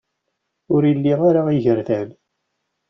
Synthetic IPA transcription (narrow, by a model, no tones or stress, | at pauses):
ʊɾilːiʁaɾaiʝəɾθæl